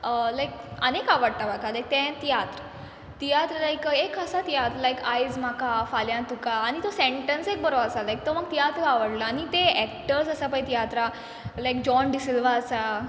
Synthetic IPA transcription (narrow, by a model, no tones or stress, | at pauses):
əlajkənekaʋəɽt̪abʱakalajk̚t̪ɛ̃t̪ijat̪ɾə | t̪ijat̪ɾəlajkekəsat̪ijat̪ɾəlajkajd͡zmakafaljãt̪ukaːñit̪osẽɳʈənsek̚bəɾoəsalajk̚t̪oməɡ̚t̪ijat̪ɾəaʋəɽlaːñit̪eɛkʈəɾsəsapajt̪ijat̪ɾa | lajkd͡ʑɔnɖisilʋaəsa